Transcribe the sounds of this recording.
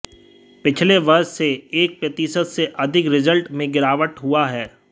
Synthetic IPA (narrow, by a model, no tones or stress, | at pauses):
pɪt͡ʃʰleʋɐɾsseeːk̚pɾɐt̪iːsət̪seʔɐd̪ʱɪkɾɪzəlʈmẽɡɪɾaːʋəʈɦuaɦɛː